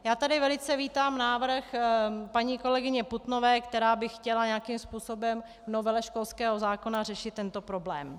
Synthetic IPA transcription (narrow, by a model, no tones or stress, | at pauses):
jaːt̪adɪvɛlɪt͡sɛviːt̪aːmnaːvr̩xpaɲiːko̞lɛɡɪɲɛput̪novɛːkt̪ɛɾaːbɪxcɛlaɲɛakimspuːso̞bɛm | vno̞vɛlɛʃko̞lskɛːɦo̞zaːko̞narɛʃɪt̪ːɛnt̪o̞pɾo̞blɛ̰ːm